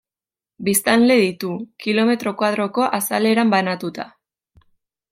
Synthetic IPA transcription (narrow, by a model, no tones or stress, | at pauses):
bist̪anle̞ðit̪ukilo̞me̞t̪ɾo̞kwað̞ɾo̞ko̞ʔasale̞ɾambanat̪ut̪a